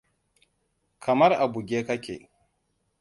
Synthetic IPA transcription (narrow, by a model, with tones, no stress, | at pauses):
kʰɐ˨mɐ˦rʔa˨bu˨ɡʲeː˦kɐ˦kʲḛː˨